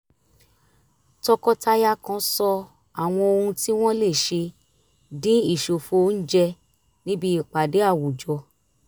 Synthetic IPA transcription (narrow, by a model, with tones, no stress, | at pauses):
tɔ˧kɔ˧ta˧ja˦kã˧˦sɔ˧ | a˨w̃ɔ̃˧o˧hũ˧ti˦w̃ɔ̃˦le˦˨ʃe˧ | dĩ˨˦i˦˨ʃo˨fo˨˦n̩˦d͡ʒɛ˧ | nĩ˦bi˧i˦˨k͡pa˨de˨˦a˦˨wu˨d͡ʒɔ˧˦